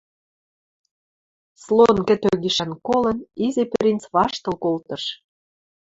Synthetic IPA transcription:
slonkɘ̆t̪øɣiʃænkolɤ̆nizʲepeɾʲint͡sβɑʃt̪ɤ̆lkolt̪ɤ̆ʃ

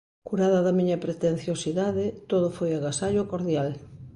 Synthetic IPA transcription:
kuɾaðɐðɐmiɲɐpɾet̪en̟θjosiðaðɪt̪oðʊfojaɣasaʎokoɾðjal

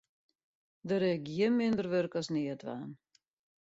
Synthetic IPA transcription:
dəɾɛkjənmɪndərʋørkɔsnɪətʰʋa̰ːn

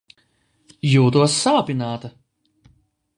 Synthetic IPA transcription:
juːt̪uɔsːaːpʲinaːt̪ɐ

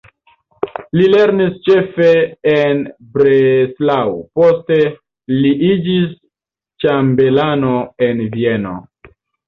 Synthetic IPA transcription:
lile̞ɾnist͡ʃe̞fe̞enbɾeslawpo̞ste̞ | liʔid͡ʒis | t͡ʃambe̞lanoenvie̞no̰

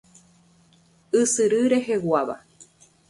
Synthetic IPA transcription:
ɨsɨɾɨɾe̞ɦe̞waβa̰

